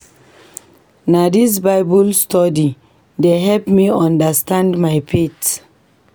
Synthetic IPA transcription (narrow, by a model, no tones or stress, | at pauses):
nadis̬baɪbɔlstɔdi | deɦɛlpmiɔ̃ndəstãndmajpʰit